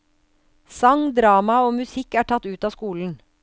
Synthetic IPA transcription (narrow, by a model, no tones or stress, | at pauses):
sɑŋd̪ɾɑːmɑoːmʉsɪkæːʈʰɑt̪ʉːt̪ɑːskuːln̩